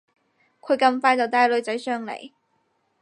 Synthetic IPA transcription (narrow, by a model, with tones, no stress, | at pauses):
kʰɵ˨˧ɥkɐ˧mfaː˥jt͡sɐ˨wt̪aː˧˥jlɵ˨˧ɥt͡sɐ˨˥jsœː˥ŋlḛ˨˩j